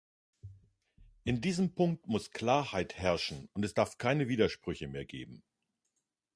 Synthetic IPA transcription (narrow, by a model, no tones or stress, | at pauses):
ʔɪndiːzəmpʰʊŋk̚tmʊskl̥aːɐhaɪthɛɐʃn̩ʊntɛsd̥aɐfkʰaɪnəviːdɐʃpʁ̥ʏçəmeːɐɡeːbm̩